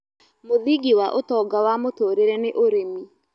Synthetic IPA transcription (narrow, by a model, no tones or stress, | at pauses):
moðiɡiwaʔotɔːɡawamotoːɾeɾɛneʔoɾemi